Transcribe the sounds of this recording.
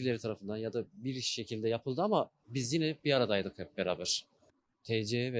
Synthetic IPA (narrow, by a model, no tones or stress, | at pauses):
ɾlʲeɾit̪ʰaɾafɯnd̪anjad̪abiɾʃe̞cʰilʲd̪ɛjapʰɯlˠd̪ɯama | bizjinɛbiaɾad̪ajd̪ɯkɛp̚beɾaːbæɾ̥ | t̪ʰɛd͡ʒeɛvɛ